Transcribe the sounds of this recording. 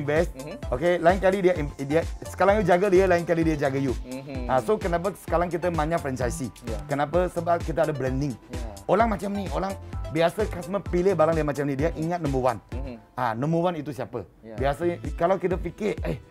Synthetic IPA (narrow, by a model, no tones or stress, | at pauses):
nvɛstokelaɪŋkalidiaʔindiasə̥kaɾaŋjud͡ʒaɡədiəlaɪŋkalidiad͡ʒaɡəjuasokənãp̬əsə̥kaɾaŋk̬it̪əmãɲafɾɛnt͡ʃajsikənãpəsəbap̚kit̪̬əadəblɛndɪŋoɾaŋmat͡ʃamniʔolaŋbiasəkasməpilɪhbalaŋdiamat͡ʃamnidiaʔiŋat̪̚nə̃muwan | anəmũwanit̪usiapə | biasəkalawkit̪əfikɪ